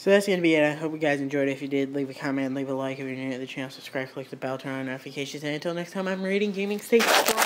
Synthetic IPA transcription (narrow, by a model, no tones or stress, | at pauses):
soʊðætsɡ̥ʌnɨbiɨɾaɪɦoʊp̚wiɡaɪzɨ̃nd͡ʒɔɪɾɨfjɨdɪdˡlivɨkʰɑmɨ̃ntn̩livəlaɪkɛvɹinʉ̃ɨt̪̚ðɨt͡ʃʰæ̃nsəb̥skɹ̥ælˠaɪk̚ðɨbɛlˠtʰɜ̃˞noʊɾɨfɨkʰeɪʃɨ̃nzɨ̃ɨ̃ntʰɪlˠnɛkstʰãɪ̃mãɪ̃mɹiɾɪ̃ŋɡẽɪ̃mɪ̃ŋsteɪt